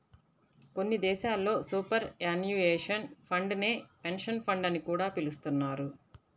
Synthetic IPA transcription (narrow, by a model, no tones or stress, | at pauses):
ko̞nːid̪ɛːʃaːlːo̞ːsuːpɐɾaːnjueːʂɐnpʰɐɳɖne̞ːpe̞nʂɐnpʰɐɳɖɐnikuːɽaːpilust̪unːaːɾu